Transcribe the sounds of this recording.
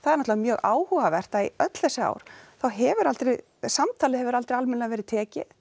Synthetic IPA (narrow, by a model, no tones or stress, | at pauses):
θaðɛɾnɔt̪avamjœːɣaːwhuɣavɛr̥t̪aḭœt̪l̥θɛsʏa̰ːwɾ̥θawɦɛvʏɾalt̪ɾɛ | samt̪ʰaːlɪhɛvʏɾalt̪ɾɛalmɛnavɛːɾɪt̪ʰɛːcɪ